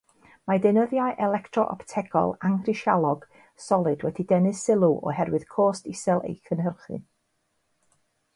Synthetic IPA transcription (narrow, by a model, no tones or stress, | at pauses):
madɨnəðjaɨʔɛlˠɛktʰrɔʔɔ̰ptʰɛɡɔ̰lˠaŋrɪʃjalˠɔɡ̥ | sɔlˠɨdwɛdidɛnɨsɪlˠuʔɔ̰ɦɛrwɨð̥kʰoːstɪsɛlˠḛjkʰənhɦərχɨ̰n